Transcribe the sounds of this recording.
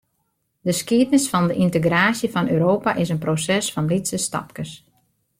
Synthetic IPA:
dəskiətnɪsfɔndəʔintəɡraːsjəfɔnøːɾoːpaʔɪsənprosɛsfɔnlisəstɑ̰pkəs

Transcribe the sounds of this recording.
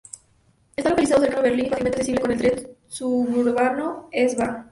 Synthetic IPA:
est̪alokalizaðos̬eɾkanoβeɾlinifat̪iment̪aksesiβlekoneld̪ɾet̪suβuɾβanoezβa

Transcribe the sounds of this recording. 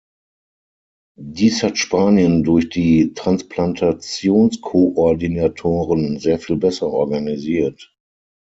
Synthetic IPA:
diːshatʃpaːnjəndʊɐçd̥iːtʁ̥ansplantʰat͡sjoːnskʰoʔɔɐdinatʰoːʁənzeːɐfiːlbɛsɐʔɔɐɡaniziːɐt

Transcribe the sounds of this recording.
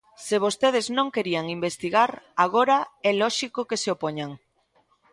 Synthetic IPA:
seβ̞ost̪eð̞eznõŋkeɾiaŋimbest̪iɣaɾaɣ̞oɾaɛlɔʃikokeseopoɲaŋ

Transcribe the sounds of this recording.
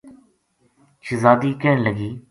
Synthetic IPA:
t͡ʃʰəzaːd̪iːkeːɳləɡiː

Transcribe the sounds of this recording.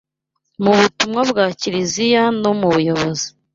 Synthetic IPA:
muβutumŋabɡaːciɾizijano̞muβujo̞βozi̥

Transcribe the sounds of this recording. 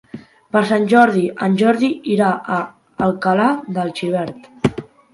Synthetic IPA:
pəɾsanʲʒɔɾðiʔənʲʒɔɾðiiɾaʔəː | lˠkəlad̪əlˠt͡ʃiβ̞ɛɾt̪

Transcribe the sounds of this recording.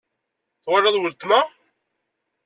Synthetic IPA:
θwərːɑðˤwəlt̪ma

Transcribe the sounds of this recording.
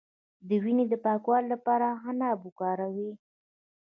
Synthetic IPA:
d̪əwined̪əpɑkwɑlːapɑɾaɦanabukɑɾawi

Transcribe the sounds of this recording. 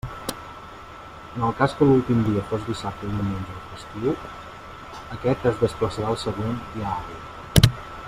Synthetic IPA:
ənəlˠkaskəlulˠt̪imd̪iəfozdisap̚t̪əðiwmenʲd͡ʒəəfəst̪iw | əkɛt̪əzðəspləsəɾaəlˠsəɣ̞ond̪iaɾi

